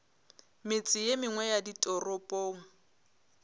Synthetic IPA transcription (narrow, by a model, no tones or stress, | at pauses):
mɪt͡sʼɪjemɪŋwɛjaditʼɔrɔpʼoːŋ̩